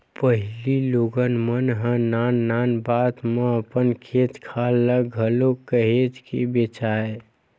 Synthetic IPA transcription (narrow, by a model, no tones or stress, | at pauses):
pəɦɪliloːɡənmənɦə̃naːnːaːnbaːt̪mẽəpənkʰeːt̪kʰaːlːəɡʱəlokəɦet̪kḭbet͡ʃaːe